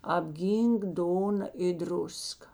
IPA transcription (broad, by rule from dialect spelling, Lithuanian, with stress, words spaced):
ɐbʲˈɡʲiːŋk ˈdoːnɐ ɪ ˈdrʊskɐ